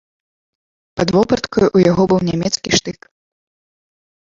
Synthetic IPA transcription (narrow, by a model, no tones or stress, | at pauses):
pɐd̪vɔpɐt̪kɐjuʔujaɣɔbɨwnʲamʲɛt̪skʲiʂt̪ɨk